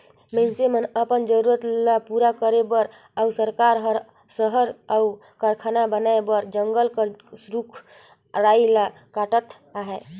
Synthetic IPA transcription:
mənsemənəpənd͡ʒəɾuɾət̪lapuɾakəɾebəɾ | ausəɾkaɾɦəɾ | səɦəɾau | kaɾkʰanabənaebəɾd͡ʒəŋɡəlkəɾsɾukʰ | ɾaila | kaʈət̪ | aɦe

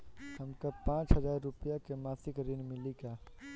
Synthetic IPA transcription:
hɐmkapãːt͡ʃɦɐzaːɾːʊpəjakemaːsɪkɾɪnmɪliɡaː

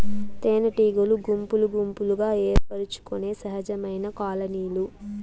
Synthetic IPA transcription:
t̪eːnɐʈiːɡoluɡumpuluɡumpuluɡaːeːɾpɐɾut͡ʃu̥kune̞ːsɐɦɐd͡ʒɐmɐjnɐkaːlɐniːlu

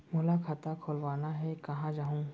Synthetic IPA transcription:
mʊlakʰaːt̪akʰoːlʋaːnaɦɛkɐɦãd͡ʒaːɦũ

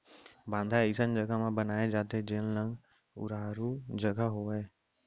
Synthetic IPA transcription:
bãːnd̪ʱaisənd͡ʒəɡamãbənaːed͡ʒaːt̪ed͡ʒeːllə̃ŋɡ | ʊ̰ɾaːɾud͡ʒəɡaɦoeː

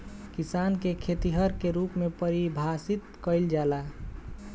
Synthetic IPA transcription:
kisankekʰet̪iɦəɾkeɾupmepəɾibʱasit̪kəɪld͡ʒala

